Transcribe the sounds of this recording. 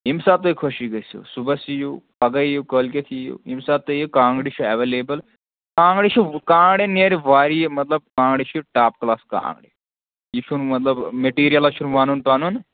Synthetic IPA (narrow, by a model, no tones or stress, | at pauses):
imsaːt̪ːoikʰoʃiɡɐjsṵsubɐsijupɐɡɐjukəlkʲɐt̪ʰijṵimsaːt̪ːojikãːŋɡɽit͡ʃʰuɐʋeleːbɐl | kãːŋɡɽit͡ʃʰikãːŋɡɽeneɾiʋaːɾimɐt̪lɐb̚kãːŋɡɽit͡ʃʰiʈaːpklaːska̰ːŋɡɽḭ | jit͡ʃʰunmɐt̪lɐbmeʈiːɾijɐlat͡ʃʰunʋaːnunpaːnuːn